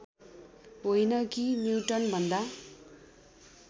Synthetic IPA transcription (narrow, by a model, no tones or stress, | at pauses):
ɦojnʌkinjiwʈʌnbʱʌnd̪a